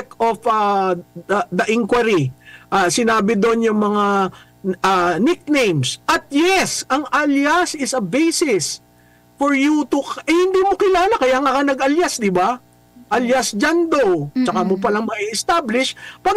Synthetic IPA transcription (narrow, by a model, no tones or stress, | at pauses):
kofɐ | d̪ɐʔɪŋkwɐɾiʔasɪnaːbɪd̪o̞njʊŋmɐŋa | anɪk̚nejmsʔɐt̪̚jɛsʔɐŋaljasɪsɐbejsɪs | foɹjut̪ʊʔɛhɪnd̪iːmokɪlaːlakɐjaːŋakɐnɐɡɐljasd̪ɪba | ʔɐljasd͡ʒand̪owt͡ʃɐkamop̬ɐlaŋmɐiʔɪst̪ablɪʃpɐɡ